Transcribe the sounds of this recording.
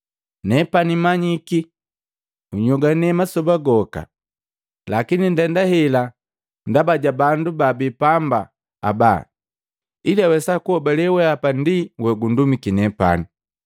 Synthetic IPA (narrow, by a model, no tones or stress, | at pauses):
nɛpanimaɲiki | uɲɔɡanɛmasɔbaɡɔka̰ | lakinindɛndahɛla | ndabaɟabandubabipamba̰ | a̰ba̰ | ilawɛsakuhɔbalɛwɛapandiwɛɡundumikinɛpa̰ni